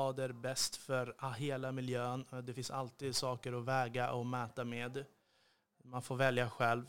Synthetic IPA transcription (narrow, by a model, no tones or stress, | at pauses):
ɑːd̪əɾbɛst̪fœɾɦeːlamɪljøːnd̪ɛfɪnsalt̪iːd̪sɑːkəɾɔvɛːɡaʔɔmɛːt̪ameːd̪ | manfoːɾvɛljaɧɛlv